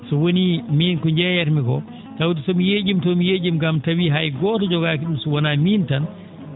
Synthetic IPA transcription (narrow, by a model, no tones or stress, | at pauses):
sɔwonimiːnkɔɲd͡ʒɛjɛɾmikɔ | tawtisɔmijed͡ʒimtɔmijed͡ʒimɡamtawiɦajɡɔːtɔd͡ʒɔɡakiɗumsɔwɔnamiːntan